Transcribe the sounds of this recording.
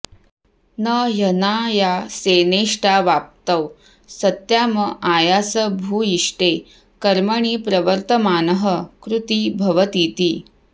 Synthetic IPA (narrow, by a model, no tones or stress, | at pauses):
nəjɐnaːjaseːneːʂʈaːʋaːp̚t̪ɐw | sɐt̪jaːmɐʔaːjaːsɐbʱuːiʂʈe | kɐɾmɐɳiːpɾɐʋəɾt̪ɐmaːnəɦəkɾut̪iːbʱɐʋɐt̪iːt̪iː